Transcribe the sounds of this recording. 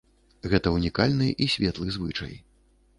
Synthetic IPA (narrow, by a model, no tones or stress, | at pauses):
ɣɛt̪ɐunʲikalʲnɨʔisʲvʲɛt̪lˠɨzvɨt͡ʂɐ̰j